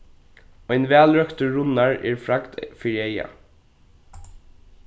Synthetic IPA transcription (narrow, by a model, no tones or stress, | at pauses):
ɔjnʋæːlɹœkt̪əɹʊnaɹɛ̰ːɹfɾaɡd̪fiːɾieja̰